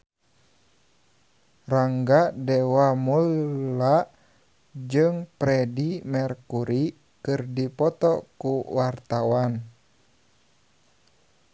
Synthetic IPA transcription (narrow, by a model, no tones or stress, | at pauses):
raŋɡadɛwamula | d͡ʒɨŋpɾɛdimɛrkuɾi | kɨrdipɔt̪ɔkuwart̪awan